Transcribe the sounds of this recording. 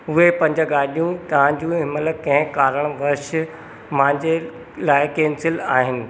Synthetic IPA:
ʊɦepɐ̃ɲd͡ʑəɡaːɗijũt̪ɐʋ̤ãɲd͡ʑũːɪmələkɐ̃ɦɪ̃kaːɾəɽ̃ʋɐɾʃ | mãɪ̃ɲd͡ʑe | laːɪkeːnsɪlaːɦɪnɪ̆

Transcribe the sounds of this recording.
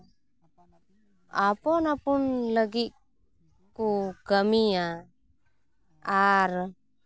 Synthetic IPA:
apɔnapunləɡit̪̚ | kukəmia | aɾ

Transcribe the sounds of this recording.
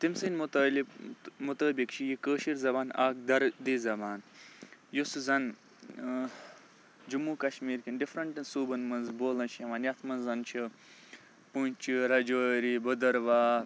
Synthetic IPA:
t̪imsinmt̪ɐːlimut̪əːbikt͡ʃʰijikəːʃiɾzɐbaːna̰ːk̚d̪ɐɾd̪iːzɐbaːn | juszɐn | d͡ʒumuːkɐʃmiːɾkinɖifɾɐɳʈɐnsuːbɐnmɐnzboːlɐnt͡ʃʰiɐʋaːnjɐt̪ʰmɐnzːɐnt͡ʃʰi | punt͡ʃʰiɾɐd͡ʒoːɾibɐd̪ɐɾʋaː

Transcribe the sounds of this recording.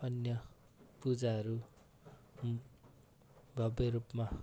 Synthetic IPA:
ʌnjʌ | pud͡zaɦʌɾu | bʱʌbʌɾupma

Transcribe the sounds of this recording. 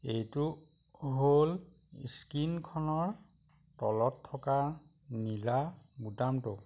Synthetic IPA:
ejtʊ | ɦol | ḭskinkʰɔnɔɹ | tɔ̰lɔtʰːɔkaɹ | nilabutamtʊ

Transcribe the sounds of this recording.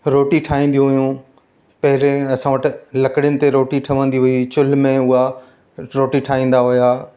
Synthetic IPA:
ɾoːʈiʈʰaːĩːn̆d̪ijũɦʊjũ | pɐɦɪɾẽɐsãʋəʈɪ̆lɐkɽɪjʊnɪ̆t̪eɾoːʈiʈʰɐʋə̃nd̪iɦʊit͡ɕʊlmẽʊɦa | ɾoːʈiʈʰaːĩːn̆d̪aɦʊjaː

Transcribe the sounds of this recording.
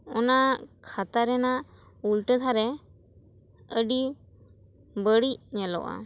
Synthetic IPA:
ɔnakʰat̪aɾɛnaʔ | ulʈət̪ʰaɾɛ | əɖi | bəɽic̚ɲɛlɔ̰ʔa̰

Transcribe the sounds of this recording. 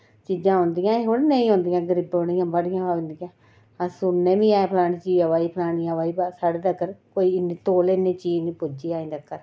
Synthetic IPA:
t͡ʃiːd͡ʒãːɦõːnd̪ijãːeɦoɽnə̃ĩːɦõːnd̪ijãːɡəɾɪboɽijãːbəɽɪjãːaõnd̪ɪjãː | asʊnːẽːʋĩːaːepʰlaːɽ̃iːt͡ʃiːəʋaːiːpʰlaːnijãːʋaːiːbaːsaːɽeːd̪əkəɾkoːiːɪneːt̪oːleːnːẽːt͡ʃiːd͡ʒnĩːpʊd͡ʒiːaːĩːnd̪akːəɾ

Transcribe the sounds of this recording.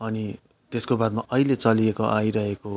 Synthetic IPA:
ʌni | t̪eskobad̪̚maʔʌilet͡sʌliekoʔaiɾʌɦeko

